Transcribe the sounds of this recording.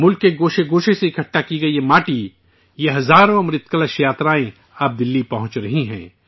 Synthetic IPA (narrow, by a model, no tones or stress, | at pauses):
mʊlkːeɡoːʃeɡoːʃeseɪkʰɐʈːakiɡɐiemaːʈi | jeɦɐzaːɾõɐmɾɪt̪kɐlaʃjaːt̪ɾaːẽ | aːp̚d̪ɪlːipɐɦʊ̃t͡ʃɾɐɦiɦɛ̰̃ː